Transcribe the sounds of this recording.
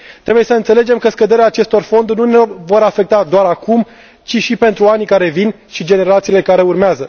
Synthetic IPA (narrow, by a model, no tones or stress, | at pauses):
t̪ɾe̞buje̞səɨnt̪sele̞d͡ʒe̞mkəskəd̪e̞ɾeaːt͡ʃe̞st̪o̞rfo̞nd̪ununevo̞ɾafe̞k̚t̪ad̪oaɾakum | t͡ʃiʃipe̞nt̪ɾuanikaɾe̞vin | ʃid͡ʒe̞ne̞ɾat̪siːle̞kaɾe̞urmeazə